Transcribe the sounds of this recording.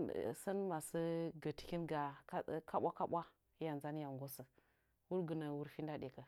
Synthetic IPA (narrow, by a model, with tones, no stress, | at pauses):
sa˦nma˨sə˦ɡə˨ti̥˨kʲi˦nɡa˨˦kʰa˦ɓʷa˦ka˦bɓʷa˦ | ja˨nza˦n˦ja˨ŋɡo˦sə˨ | wu˦ɾɡə˨na˨wu˦ɾfi˦nda˦de˨kə˨